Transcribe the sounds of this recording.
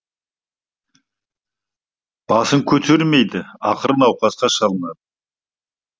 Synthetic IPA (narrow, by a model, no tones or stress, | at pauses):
b̥ɑsəŋkʲʰɵt̪ʰe̞ɾme̞jd̪ɪɑ̰qəɾənɑwqɑsqɑʃɑlˠənɑd̪ə